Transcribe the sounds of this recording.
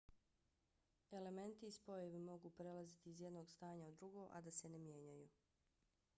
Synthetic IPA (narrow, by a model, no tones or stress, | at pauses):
e̞le̞me̞nt̪iːspo̞jeʋemo̞ɡuːpɾe̞lazit̪iːzjed̪no̞ːɡst̪aːɲaod̪ːɾuɡo̞ʔa̰d̪asene̞mje̞ːɲajuː